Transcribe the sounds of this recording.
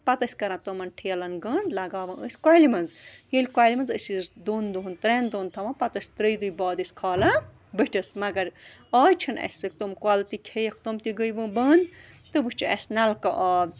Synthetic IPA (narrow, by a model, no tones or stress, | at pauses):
pɐt̪ɐsʲkɐɾãt̪omɐnʈʰijɐlɐnɡəːnlɐɡaːʋɐʔəsʲkwalimɐnzjelʲkwaːlʲimɐnzəsizd̪oːnd̪uunt̪ɾend̪oːnt̪ʰɐmɐ̃pɐt̪ɐsʲt̪ɾəjd̪ujbɔːd̪ɨsʲkʰɐːlɐ | bɨʈʰɐsmɐɡɐɾ | ɔːjt͡ʃʰɐnɐ̰sʲsɨk̚t̪omkwalt̪ikʰejɐkʰt̪omt̪iɡəjbɨbəːn | t̪ɨbɨt͡ʃʰiɐ̰snalkɐʔɐː